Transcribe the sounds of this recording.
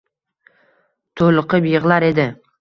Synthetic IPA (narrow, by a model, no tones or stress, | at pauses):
t̪ʰolˠɨqʰɨbɪjɪʁlˠaɾe̞d̪ɪ